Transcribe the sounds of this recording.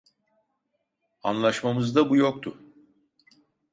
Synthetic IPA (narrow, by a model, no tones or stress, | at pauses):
a̰nlˠaʃmamɯzd̪abujo̞k̚t̪ʰʊ